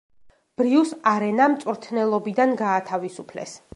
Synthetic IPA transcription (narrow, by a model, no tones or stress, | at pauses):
b̥ɾiusaɾɛnamt̪sʼuɾt̪ʰnɛlˠɔbid̪anɡaːt̪ʰavisupʰlɛ̰s